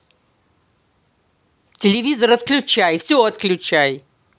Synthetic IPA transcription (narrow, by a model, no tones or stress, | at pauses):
tʲɪlʲɪvʲizəɾət̪klʲʊt͡ɕajfsʲoət̪klʲʊt͡ɕaj